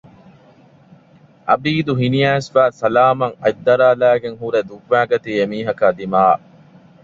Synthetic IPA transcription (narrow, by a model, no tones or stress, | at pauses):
ʔɐbiːd̪uɦinijæːsʋæːsɐlaːmɐŋɐ̰jd̪ːɐɾaːlæːɡeŋɦuɾed̪ukʋæːɡɐt̪iːemiːɦɐkaːd̪imaː